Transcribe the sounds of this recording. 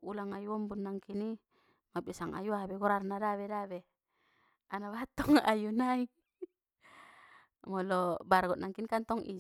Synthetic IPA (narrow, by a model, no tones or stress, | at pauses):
ulaŋajuɔmbunːaŋkini | mabisaŋʔa̰juabɛɡɔɾarnadaβɛdaβɛ | anaβat̪ɔŋa̰junai | mɔlɔbarɡɔt̪̚naŋkinkant̪ɔŋʔḭ